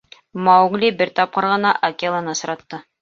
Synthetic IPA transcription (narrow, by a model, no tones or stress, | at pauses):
mɑwɡlʲibɘɾt̪ɑp̚qɑ̆ɾʁɤ̆nɑʔɐkʲelˠɑnɤsɤ̆ɾɑt̪ːɤ